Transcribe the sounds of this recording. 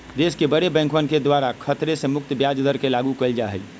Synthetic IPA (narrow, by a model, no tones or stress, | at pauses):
d̪eskebəɾebɛ̃ːŋkmənked̪waɾakʰət̪ɾesemʊk̚t̪bjad͡ʒd̪ʱəɾkelaɡukəld͡ʒaɦə̰